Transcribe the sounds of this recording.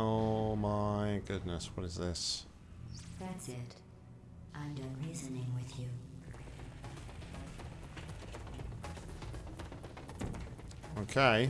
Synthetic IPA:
oʊmaɪɡʊdⁿnəswʌɾɨzðɪs | ðætsɪt | ʔãɪ̃mdʌ̃nɹizɨnɪ̃ŋwɪðjʉ | oʊkʰeɪ

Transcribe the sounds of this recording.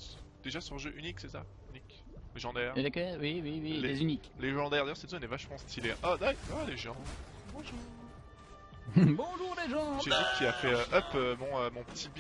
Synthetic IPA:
d̪̥eʒasyʁʒøʔyniksɛsa | ynik | leʒɑ̃d̪ɛʁlekɛwiwiwillezynikleʒɑ̃d̪ɛʁd̪ajœʁsɛd̪zɔɛnɛvaʃmɑ̃st̪ʰileʔad̪aaleʒɑ̃ | bɔ̃ʒuː | bɔ̃ʒuːʁleʒɑ̃ʒɛikʲʰiafɛøʔœpømɔ̃ømɔ̃pə̥t̪ʰib

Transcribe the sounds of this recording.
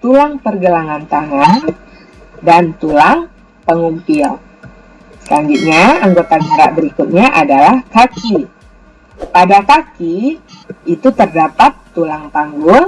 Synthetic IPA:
t̪ulaŋpərɡəlaŋant̪aŋan | dant̪ulaŋ | pəŋumpɪl | sə̥kaŋɡiʔ̪̚ɲaaŋɡot̪aɡəɾa̰ʔbəɾikut̪̚ɲaʔadalahkaki | padakakiː | t̪ut̪ərdapat̪ːulaŋpaŋɡʊl

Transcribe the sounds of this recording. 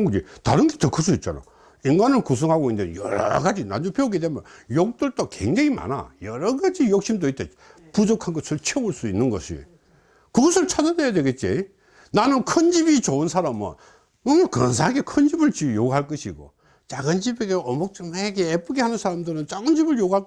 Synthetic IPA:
kɯd͡ʑeta̰ɾɯnɡetɯkʰːɯs̬͈uit̚t͡ɕ͈a̰na̰ | inɡanɯɭkus̬ʰɯŋɦaɡoindejʌ̰ɾʌ̰ɾʌ̰ɡad͡ʑina̰nd͡ʑupʰeuɡidemʌ̰jok̚t͈ɯɭt͈okḛŋd͡ʑeŋima̰na̰jʌɾʌɡad͡ʑijok̚ɕ͈imdoit͈ḛ | pud͡ʑokʰanɡʌsʰɯɭt͡ɕʰeboɭs͈uinːɯnɡʌ̰ɕʰḭ | kɯɡʌs̬ʰɯɭt͡ɕʰad͡ʑʌnejadwe̞ɡet̚t͡ɕ͈ḭ | nanɯnkʰʌnd͡ʑibit͡ɕoɯnsʰaɾamɯ̰n | woŋakʌns̬ʰaaɡe̞kʰʌnd͡ʑibɯɭt͡ɕijoɡuɦaɭk͈ʌɕʰiɡo̰ | t͡ɕaɡɯnd͡ʑibeɡeʔʌmok̚t͡ɕ͈ɯmaeɡeːp͈ɯɡehanɯnsʰaɾamdɯɾɯnt͡ɕaɡɯnd͡ʑibɯɭjoɡuɦa

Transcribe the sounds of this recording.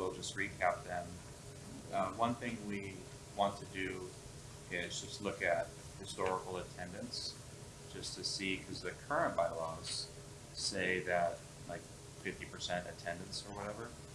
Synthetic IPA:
wɪlˠd͡ʒʌst̚ɹikʰæp̚ðɨ̃n | ʌwʌ̃nθɪ̃ŋwi | wɑ̃ntʰɨdɨ | ɪzd͡ʒʌstˡlʊkɨt̚ | hɨstɔɹəkl̩ˠətʰɛ̃ndɨ̃nts | d̥ʒ̥ʌstʰɨsikʰʌzðɨkʰɜ˞ɨ̃nb̥aɪlɔz̥ | seɪðɨt̚ | laɪk̚ | fɪftipʰə˞sɛ̃ntɨtʰɛ̃ndɨ̃ntsə˞wʌɾɛvə˞

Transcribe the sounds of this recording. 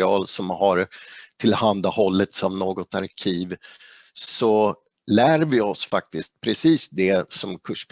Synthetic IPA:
ɑːlsɔmhaɾt̪ʰɪlhand̪ahɔlːət̪savnoːɡɔt̪aɾkʰiːv | sɔ | læːɾvɪɔsfak̚t̪ɪst̪̚pʰɾɛsiːsd̪ɛsɔmkʰɵʂp

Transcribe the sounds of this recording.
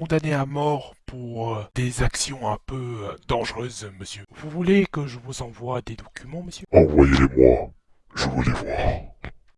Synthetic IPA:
kɔ̃d̪aneamɔʁpuʁd̪̥ezaksjɔ̃ɛ̃pød̪ɑ̃ʒʁøːzməsjøvuvulekəʒəvuzɑ̃vwad̪ed̪ɔkʲymɑ̃məsjøɑ̃vwajelemwa̰ | ʒəvulɛvwaːʁ

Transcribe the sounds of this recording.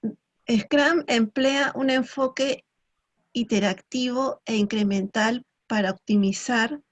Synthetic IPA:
eskɾamempleaʔune̞ɱfo̞ke̞ | it̪e̞ɾakt̪iβ̞o̞eiŋkɾe̞mẽ̞nt̪al | paɾaok̚t̪imisaɾ

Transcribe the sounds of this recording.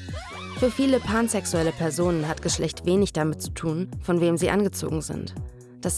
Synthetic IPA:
fyːɐfiːləpʰaːnzɛksuɛləpʰɛɐzoːnənɦatɡ̥əʃlɛçtv̥eːnɪçd̥amɪt̚t͡su̥tʰuːnfɔnveːmziːʔanɡət͡so̰ːɡŋ̩zɪ̰nt | d̥as

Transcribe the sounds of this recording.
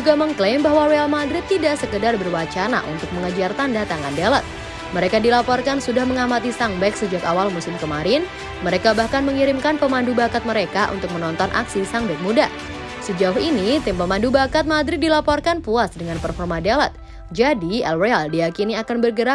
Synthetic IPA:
d͡ʒuɡaməŋklembaɦwaɾealmad̪ɾɪt̪ːidaʔsəkədarbərwat͡ʃana̰ʔṵnt̪ʊk̚məŋəd͡ʒart̪andat̪aŋandelat̪̚ | məɾekadilapɔrkansudahməŋamat̪isaŋbɛksəd͡ʒakawalmusɪmkəmaɾɪn | məɾekabahkanməŋiɾɪmkanpəmandubakat̪̚məɾekaʔṵnt̪ʊk̚mənɔnt̪ɔnʔa̰ksisaŋbɛk̚muda | səd͡ʒauhinit̪ɪmpəmandubakat̪̚mad̪ɾɪt̪̚dilapɔrkanpuasdəŋanpərfɔrmadelɛt̪̚ | d͡ʒadiɛlrealdijakiniakanbərɡəɾa

